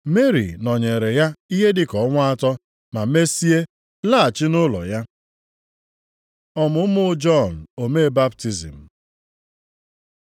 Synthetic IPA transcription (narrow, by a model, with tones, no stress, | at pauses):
me˦ɾḭ˨nɔ˨ɲe˨ɾe˨ja˦i˦ɦe˦dɪ˦kɔ˨˦ŋʷʊ˦a˦tɔ˦ | ma˨me˦si˦e˦ | la˦˨a˨t͡ʃɪ˦nʊ˦lɔ̰˨ja˦ | ɔ˦mʊ˨˦mʊ˦d͡ʒɔ˦˨n̩˨o˨me˦ba˦pti˨zḭ˨m̩˨